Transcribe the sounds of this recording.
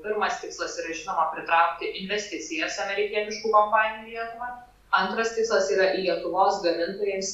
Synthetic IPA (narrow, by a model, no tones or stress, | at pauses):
pʲɪɾmɐst̪ʲɪkslˠɐsiːɾɐʒʲɪnoːmɐpʲɾʲɪt̪ɾɐʊk̚t̪ʲɪʔɪnʲʋʲɛsʲt̪ʲɪt̪sʲɪjɛsɐmʲɛɾʲɪkʲiɛnʲɪʃkuːkɐmpɑːnʲɪjuːlʲiɛt̪ʊʋɑː | ɐnt̪ɾɐst̪ʲɪkslˠɐsiːɾɐʔiːlʲiɛt̪ʊʋoːsɡɐmʲɪnt̪oːjeːms